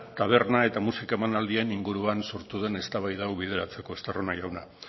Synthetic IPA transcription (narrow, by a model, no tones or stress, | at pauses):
t̪aβ̞e̞rnae̞t̪amusikae̞manald̪ie̞niŋɡuɾuanso̞ɾt̪uðe̞ne̞st̪aβajðawβið̞e̞ɾat͡se̞ko̞est̪eronaʝawna